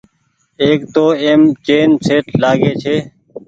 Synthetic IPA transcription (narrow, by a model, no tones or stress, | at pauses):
eːkt̪oːeːmt͡ʃeːnseːʈlaːɡeːt͡ʃʰeː